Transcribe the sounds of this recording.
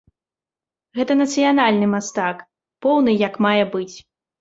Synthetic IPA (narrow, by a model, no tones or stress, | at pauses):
ɣɛt̪ɐnɐt̪sɨjanalʲnɨmast̪ak | pɔwnɨjɐkmajɛbɨt͡sʲ